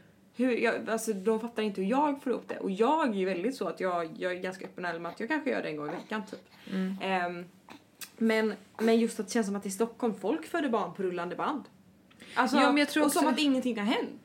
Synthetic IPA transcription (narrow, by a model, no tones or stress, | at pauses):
hɵɾjɑalsɔd̪ɔmfat̪ːaɾɪnt̪əhɵɾjɑːɡfoːɾɪhʊ̰p̚ːd̪ɛ̰ʔɔjɑːɡæɾjʉvɛld̪ɪt̪sɔat̪jɑːjɑːɡæɡanskaʔœpːənaɛlmɛnat̪jɑːkʰanɧəjœ̰ːɖɛɛnɡɔŋɪvɛkːant̪ʰyːp | mɛnmɛnjɵst̪at̪d̪ɛɕɛnsɔmat̪ɪst̪ɔkʰːɔlmfɔlkfœːɖəbɑːɳpʰɔɾɵlːand̪əband̪ | ʔalsɔmjɑt̪ʰɾɔssɔmat̪ɪŋːənt̪ɪŋːhaɾɦɛnt̪